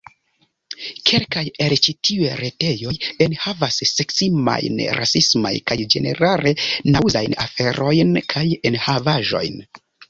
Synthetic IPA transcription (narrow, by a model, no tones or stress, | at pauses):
kʰe̞lkajelt͡ʃitʰiueɾete̞jo̞jenhavasːe̞ksima̰jnɾʔa̰sisma̰jkajd͡ʒe̞̰ne̞̰ɾale̞nawzajnafe̞ɾo̞jnkʰajenhavaʒo̞̰jn